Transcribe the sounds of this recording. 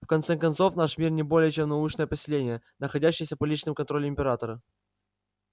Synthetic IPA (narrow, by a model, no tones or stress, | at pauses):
fkɐnt̪sɛkɐnt̪so̞fnaʂmʲirnʲɪbo̞lʲɪjət͡ɕemnɐut͡ɕnəjəpəsʲɪlʲenʲɪjənəxɐdʲæɕːɪjəsʲəpɐlʲit͡ɕnɨmkɐnt̪ɾo̞lʲɪɪmʲpʲɪɾat̪əɾə